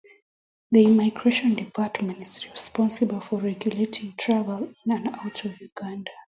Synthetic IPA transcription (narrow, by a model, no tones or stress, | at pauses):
ðiimaɪɡɹeʃɔ̃ndipʰatmɛ̃ntizɹispɔ̃nsibəlˠfɔɹɛɡjuletʰĩŋtʰɹavɛlĩnãnaʊtɔvjuɡãnda